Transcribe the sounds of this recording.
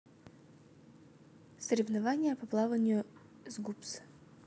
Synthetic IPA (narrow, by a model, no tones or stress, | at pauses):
səɾʲɪvnɐvanʲɪjəpɐplˠavənʲɪjʊ | zɡups